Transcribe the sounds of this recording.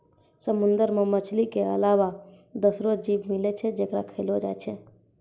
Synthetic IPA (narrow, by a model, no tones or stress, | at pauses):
səmund̪əɾmemət͡ʃʰlikeə̰laʋa | d̪əsɾod͡ʒiʋmilet͡ʃʰɛd͡ʒekɾa̰kʰəlod͡ʒa̰jt͡ʃʰɛ